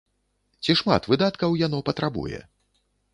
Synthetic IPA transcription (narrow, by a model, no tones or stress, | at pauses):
t͡sʲiʂma̰t̪vɨd̪at̪kɐwjan̪ɔpɐt̪ɾabṵjɛ̰